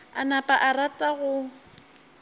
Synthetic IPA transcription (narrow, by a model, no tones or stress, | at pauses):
a̰napʼaʔaratʼaɣʊ